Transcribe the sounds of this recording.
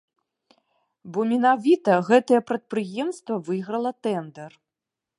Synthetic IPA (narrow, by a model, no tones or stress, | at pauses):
bɔmʲɛnavʲit̪ɐɣɛt̪ɐjɛpɾɐt̪̚pɾɨjɛmst̪vɐvɨjɣɾɐlˠɐt̪ɛnd̪ɛr